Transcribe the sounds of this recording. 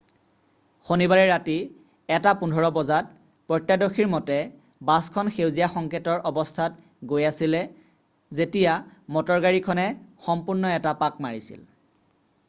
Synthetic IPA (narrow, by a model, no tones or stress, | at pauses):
xonibaɹɛɹati | ɛtapundʱɔɹɔbɔzat̚ | pɹɔtːjadɔxʰiɹmɔtɛ | baskʰɔnxewzijaxɔŋkʰetɔɹɔbɔstʰat | ɡojasilɛ | zetijamɔtɔɹɡaɹikʰɔnɛxɔmpuɹnɔɛtapak̚maɹisḭl